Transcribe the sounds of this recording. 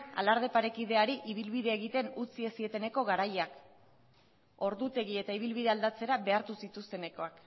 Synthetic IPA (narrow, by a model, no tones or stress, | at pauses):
a̰laɾð̞e̞paɾe̞kið̞e̞aɾiʔiβ̞ilβiðe̞ːɣit̪e̞nut͡sie̞sie̞t̪e̞ne̞ko̞ɣaɾajak | o̞ɾðut̪e̞ɣie̞t̪aiβ̞ilβiðe̞ald̪at͡se̞ɾaβe̞aɾt̪usit̪ust̪e̞ne̞ko̞ak